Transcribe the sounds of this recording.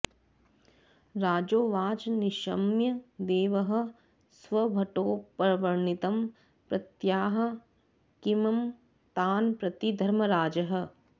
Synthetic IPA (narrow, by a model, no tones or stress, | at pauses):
ɾaːd͡ʒoːʋaːd͡ʒniʃɐmjɐd̪eːʋɐɦɐ̆ | sʋɐbʱɐʈoːpɐɾɐʋɐɾɳit̪ɐm | pɾɐt̪jaːɦɐ̆ | kimɐm | t̪aːnpɾɐt̪id̪ʱɐɾmɐɾaːd͡ʒɐɦɐ̆